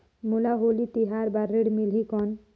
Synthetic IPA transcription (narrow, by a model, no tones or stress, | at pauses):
mulaɦolit̪iɦaɾbaɾːeɽmilɦikɔn